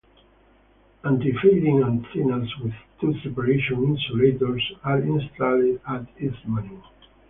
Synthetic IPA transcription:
ãnt̪ifeɪd̪ĩŋãnd̪sinəlswɪðt̪ʰusɛpaɾeʃɔ̃nĩnsulet̪oɹsaɾĩnst̪aldat̪ismani

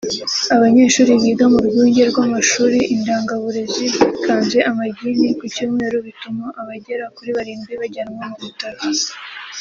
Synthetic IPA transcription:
aβaɲe̞ːʃuːɾiβiːɡamuɾɡuːɲɟe̞ɾɡwamaʃuːɾiʔindaːŋɡaβuɾe̞ziβikʰaːnzɡe̞ʔamaɟinikucuːmweːɾuβitumaʔaβaɟe̞ɾakuɾiβaɾiːmbiβaɟanmomuβutaɾa

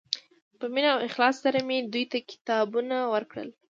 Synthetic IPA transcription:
pəminawɪxlɑssaɾamed̪ujt̪akɪ̥t̪ɑbunawəɾkɽə̰l

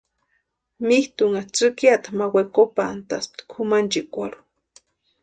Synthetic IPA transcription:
miht̪uŋat͡sɨkjat̪amawekopant̪asp̚t̪kʰumant͡ʃikʷaɾu̥

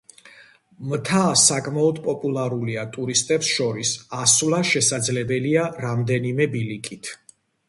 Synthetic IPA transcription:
mt̪ʰasakʼmaɔd̪pʼɔpʼulˠaɾuliat̪ʼuɾist̪ʼɛpsʃɔɾisasvlˠaʃɛsad̪zlɛbɛliaɾamd̪ɛnimɛbilikʼit̪ʰ

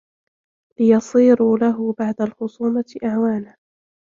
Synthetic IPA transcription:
lɪjɑsˤiːɾʊlaɦʊbaʕd̪alxʊsˤuːmaʔaʕwaːna

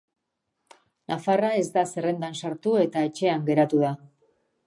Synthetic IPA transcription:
nʔafarae̞zd̪ase̞re̞nd̪ansaɾt̪ue̞t̪ae̞t͡ʃe̞aŋɡe̞ɾat̪uða

